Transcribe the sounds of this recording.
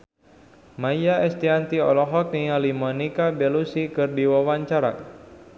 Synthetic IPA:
majjaɛst̪iant̪iɔlɔɦɔk̚niŋalimɔnikabɛlusikɨrdiwawaɲt͡ʃaɾa̰

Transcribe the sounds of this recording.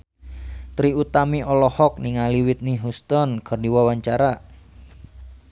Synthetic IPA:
t̪ɾiut̪amiʔɔlɔhɔk̚niŋaliwit̪̚niɦust̪ɔnkərdiwawaɲt͡ʃaɾa

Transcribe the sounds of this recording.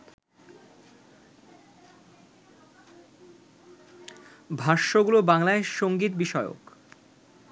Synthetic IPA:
bʱaɾʃoɡulobaŋlaeʃoŋɡit̪biʃɔeo̰k

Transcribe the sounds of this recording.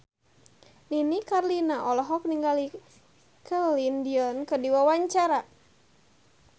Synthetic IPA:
ninikarlinaʔɔlɔɦɔk̚niŋɡali | kəlindiɔnkədiwawaɲt͡ʃaɾa

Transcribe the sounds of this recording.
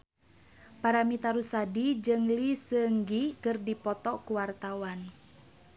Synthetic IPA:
paɾamit̪aɾusadid͡ʒɨŋlisəŋɡikɨrdipɔt̪ɔkuwart̪awan

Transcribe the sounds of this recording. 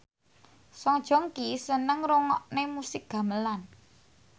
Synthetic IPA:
sɔŋd̥ʒ̥ɔ̤ŋkisənəŋɾoŋɔʔnemusɪk̚ɡ̥ä̤məlan

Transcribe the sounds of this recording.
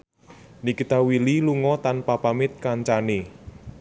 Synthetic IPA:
nikit̪awililuŋɔt̪anpapamɪt̪̚kaɲt͡ʃane

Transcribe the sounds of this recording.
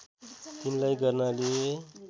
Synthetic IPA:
t̪inlajɡʌrnale

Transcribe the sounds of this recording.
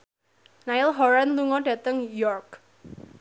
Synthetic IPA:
naɪlɦɔɾanluŋɔɖä̤t̪əŋjɔrk

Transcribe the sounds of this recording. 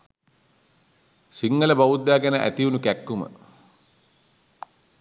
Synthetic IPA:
siŋɡələbaʋud̪ːaːɡænəʔæ̰t̪iunukækːumə̰

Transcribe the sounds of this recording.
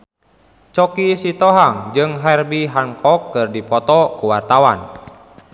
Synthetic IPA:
t͡ʃɔkisit̪ɔɦaŋd͡ʒɨŋɦɛrbiɦaŋkɔkːɨrdipɔt̪ɔkuwart̪awa̰n

